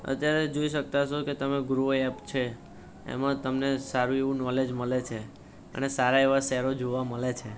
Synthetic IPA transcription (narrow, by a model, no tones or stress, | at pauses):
ə̰t̪jaɾed͡ʒoiʃək̚t̪aʃoket̪əmeɡɾoɛpt͡ʃʰe | ḛmãt̪əmnesaɾueʋũnɔled͡ʒməlet͡ʃʰe | ə̰nesaɾaeʋasɛɾod͡ʒoʋaməlet͡ʃʰe